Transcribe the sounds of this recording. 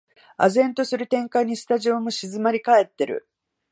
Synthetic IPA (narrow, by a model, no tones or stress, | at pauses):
a̰zẽ̞nt̪o̞sɨɾɯ̟t̪ẽ̞ŋkaiɲ̟ːisɨ̥t̪aʑio̞mo̞ɕizɨmaɾʲikae̞t̪ːe̞ɾɯ̟̰